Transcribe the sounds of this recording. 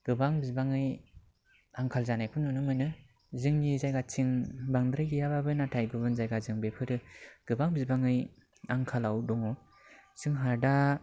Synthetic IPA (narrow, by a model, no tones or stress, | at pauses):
ɡ̥ɯbaŋbizbaŋɯj | aŋkʰalzanajkʰɯnːɔnɯmɯnɯ | zɯŋnizajɡatʰiŋbaŋdɾajɡijababɯnatʰajɡɯbɯnzajɡazɯŋbepʰɯɾɯɡ̥ɯbaŋbizbaŋɯj | aŋkʰalawdɔŋɔ | sɯŋɦaɾda